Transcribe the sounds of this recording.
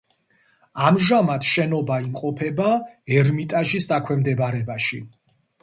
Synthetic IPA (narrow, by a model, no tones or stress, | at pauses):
amʒamat̪ʰʃɛnɔbaimqʼɔpʰɛbaɛɾmit̪ʼaʒisd̪akʰwɛmd̪ɛbaɾɛbaʃi